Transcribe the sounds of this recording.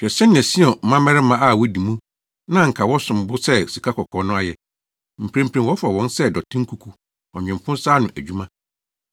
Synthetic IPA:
kɛ˨sɛ̃˦n˨æ˨si˦ɔ˨˦mã˦mɛ˦ɾɪ˦mã˦ʔa˦˨wɔ˦di˨mũ˦ | nã˦ŋ̩˨kʰa˨wɔ˦sʊ̃˨m˨˦bʊ˦sɛ˦˨si˨kʰa˦kʰɔ˨kʰɔ˨˦nʊ̃˦a˨jɛ˨ | m̩˨pʰɾẽ˨m̩˨pʰɾẽ˨wɔ˦fa˨wɔ̃˦nsɛ˦dɔ˨tʰɪ̃˦ŋ̩˦kʰu˦kʰu˨ | ɔ˨ɲᶣɪ̃˨mpʰʊ̃˦n˦saː˦nʊ̃˨ʔæ˨d͡ʑᶣu˦mã˦

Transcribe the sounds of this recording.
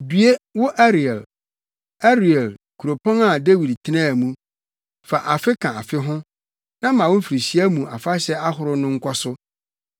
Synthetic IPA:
dɥe˦wʊ˦ʔa˦ɾi˨ɛ˨l | a˦ɾi˨ɛ˨l | kʰu˨ɾo˨pʰɔ̃˦na˨de˦wi˨dtʰɪ˦nã˦˨mũ˦ | fa˨ʔa˨fɪ˦kʰã˨a˨fɪ˦ɦʊ̃˦ | nã˦mã˨wʊ̃˦m̩˦fi˨ɾi˨ɕi˦æ˦mũ˨a̰˨fa˦ɕɛ˦a˦ɦʊ˨ɾʊ˦nʊ̃˦ŋ̩˦kʷʰɔ˦sʊ˦

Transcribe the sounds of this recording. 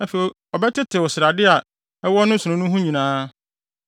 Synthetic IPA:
ɛ˨fe˨ɾi˨ | ɔ˨bɛ˦tʰɪ˦tʰɪ˨wʊ˨sɪ˨ɾa˨dɪ˦a˨ | ɛ˦wɔ˦nʊ̃˦sʊ˨ɾʊ̃˦nʊ̃˦ɦũ˦ɲĩ˨nãː˦

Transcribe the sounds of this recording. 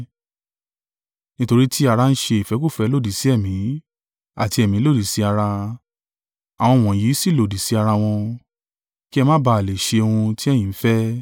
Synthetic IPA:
nĩ˦to˧ɾi˦ti˦a˧ɾa˧ñ̩˦ʃe˧i˨fɛ˨˦ku˦˨fɛ˨˧˦lo˦˨di˨˦si˨˦ɛ˦˨mĩ˨˦ | a̰˨ti˧ɛ˨mĩ˨˦lo˦˨i˨˦si˨˦a˧ɾa˧ | a˨w̃ɔ̃˧˨w̃ɔ̃˨ji˨˦si˦˨lo˨di˨si˨˧˦a˧ɾa˧w̃ɔ̃˧ | ki˦ɛ˧mãː˦ba˧˨le˨ʃe˧o˧ũ˧ti˦ɛ˦˨j̃ĩ˨n̩˦fɛ˦

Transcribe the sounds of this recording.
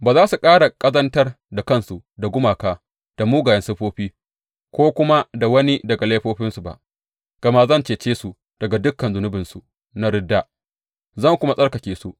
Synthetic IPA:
baː˨zaː˦su˨kʼaː˦ɽa˨kʼɐ˦zɐ˦ntɐ˦r | da˨kɐ˦nsu˨da˨ɡʷʊ˦maː˨kaː˦ | d̥a˨muː˦ɡa˨jɐ˦nsɪ˦ɸoː˦ɸiː˦ | kʷoː˦kʷʊ˦ma˦da˨wɐ˦ni˦dɐ˨ɡa˨leː˦ɸoː˦ɸɪ˦nsu˨ba̰˨ʔ | ɡ̥ɐ˨ma˦ʔzɐ˦˨nt͡ʃeː˨t͡ʃeː˦su˨ | d̥ɐ˨ɡa˨dʊ˦kːɐ˨nzʊ˨nʊ˦bɪ˨nsu˨ | na˨ɽɪ˦dːa˦ | zɐ˦˨ŋkʷʊ˦ma˦sʼɐ˦rkɐ˨kʲeː˨su˦ʔ

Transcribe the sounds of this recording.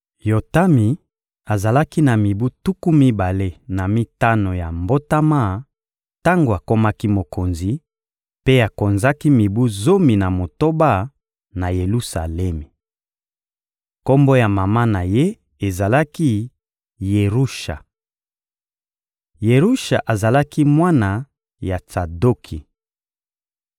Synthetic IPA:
jo˨ta˦mi˨ | a˨za˨la˦ki˦na˨mi˨bu˦tu˦ku˦mi˦ba˨le˦na˨mi˦ta˦no˨ja˨mbo˦ta˦ma˦ | ta˦ŋɡo˨a˨ko˦ma˦ki˦mo˨kʰo˨nzi˨ | pe˦a˨ko˨nza˦ki˦mi˨bu˦zo˦mi˨na˨mo˨to˦ba˦ | na˨je˨lu˦sa˨lɛ˦me˨ | ko˦mbo˦ja˨ma˨ma˦na˨je˦ | e˨za˨la˦ki˦ | je˨ʁu˦ʃa̰˨ | je˨ʁu˦ʃa̰˨ʔa˨za˨la˦ki˦mwa˦na˨ | ja˨t͡sa˨do˦kʰi˨

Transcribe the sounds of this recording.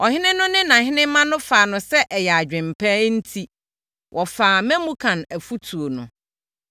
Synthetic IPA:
ɔ˨hɪ̃˦nɪ̃˦nʊ̃˦nɪ̃˦nã˨ɦɪ̃˦nɪ̃˦mã˦nʊ̃˦faː˨nʊ̃˨sɛ˦ʔɛ˨jɛ˨a˨d͡ʑᶣɪ̃˨mpʰæ˦n̩˦tʰi˦ | wʔɔ˨faː˨mɛ̃˦mũ˦kʰã˨næ˨fu˦tʰu˨o˨nʊ̰̃˨

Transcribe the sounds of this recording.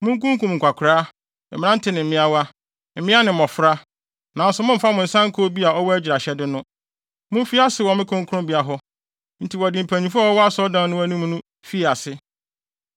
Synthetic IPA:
mʊ̃˦ŋ̩˦kũ˦ŋ˦kũ˨m˨ŋ̩˨kʷʰa˨kʰɾaː˦ | ɪ̰̃˨m˦nã˦n̩˦tʰɪ˨nɪ̃˨m̩˨mɪ̃˦a˦wa˦ | m̩˦mɪ̃˦a˦nɪ̃˨ɔ˨fɾa˦ | nã˨n̩˦sʊ˨mʊ̃˦m̩˨fa˦mʊ̃˨n̩˨sã˦ŋ̩˦kʰʊ˦o˦bi˦a˨ɔ˦wɔ˦æ˦d͡ʑi˨ɾa˨ɕɛ˨dɪ˦nʊ̃˦ | mʊ̃˦fi˦a˦sɪ˨wɔ˨mɪ̃˦kʰʊ̃˦ŋkʰʊ̃˦bi˨˦a˨ɦɔ˦ | n̩˦tʰi˨wɔ˨dĩ˨m̩˨pʰæ˨ɲũ˨fʊ˦a˦ɔ˦wɔ˦a˦sɔ˦dã˦nʊ̃˦æ˦nũ˦m˦nũ˦ | fi˦˨a˨sɪ˦

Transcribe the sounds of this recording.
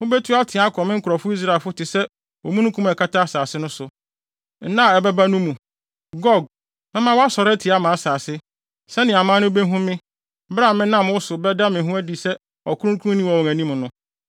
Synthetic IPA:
ʊ̃˦bɛ˦tʰu˦a˦tʰɪ˨a˦kʰɔ˨mɪ̃˦ŋ̩˦kʊ˨ɾɔ˨fʊ˦i˦s̬ɾa˦˨fʊ˦tʰɪ˨sɛ˦ | wɔ˨mũ˦nũ˦kʰũ˦mɛ˨kʰa˦tʰa˦a˦saː˨sɪ˦nʊ̃˦sʊ˨ | n̩˦nã˦˨ɛ˨bɛ˦ba˦nʊ̃˦mũ˨ | ɡɔ˦˨ɡ̚ | mã˦mã˨wa˦sɔ˨ɾɛ˦tʰɪ˨a˦mã˨˦saː˨sɪ˦ | sɛ˦nɪ̃˨a˨mã˦nʊ̃˦ʊ˦be˦ɦũ˦mɪ̃˦ | bɾa˦˨mɪ̃˦nã˦˨m˦ʊ˦sʊ˨bɛ˦da˦mɪ̃˨ɦũ˦æ˦di˨sɛ˦ | ɔ˨kʰʊ˦ũ˦kʰu˦ũ˦nĩ˦wɔ˨wɔ˨ŋæ̃˨nĩ˦m̃˨nʊ̃˦

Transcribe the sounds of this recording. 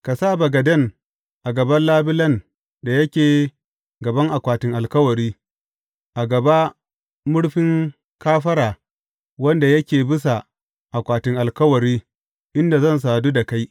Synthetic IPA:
ka˨saː˦bɐ˨ɡɐ˨dɛ˦˨ŋ | ʔa˨ɡɐ˨bɐ˦nlaː˦bɪ˦lɐ˦˨n | da˨jɐ˦kʲeː˨ | ɡɐ˨bɐ˦ŋʔa˨kʷaː˨tɪ˦ŋʔa˨lkɐ˦wɐ˨ɾiː˦ | ʔa˨ɡɐ˨ba˦ | mʊ˦ɽɸɪ˦ŋ | kaː˦ɸɐ˦ɾaː˨ | wɐ˦nda˨jɐ˦kʲeː˨bɪ˦s̬a˨ | ʔa˨kʷaː˨tɪ˨ŋʔa˨lkɐ˦wɐ˨ɾiː˦ | ʔɪ˦nda˨zɐ˦˨ns̬aː˨duː˦da˨ka˦j

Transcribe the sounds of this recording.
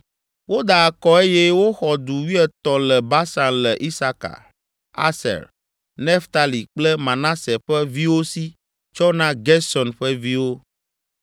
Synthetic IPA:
wo˦d̪a˨kɔ˦e˦jɛ˦wo˦xɔ˨d̪u˨wi˦ɛ˨t̪ɔ˨lɛ˨ba˦sã˨lɛ˨ʔi˦sa˦ka̰˨ | a̰˦sɛ̰˨ɾ | nɛ˦ft̪a˦li˨k͡plɛ˦mã˨nã˦sɛ˨ɸɛ˦vi˦wo˦si˦ | t͡ʃɔ˦nã˦ɡɛ˦sɔ˨nɸɛ˦vi˦wo˦

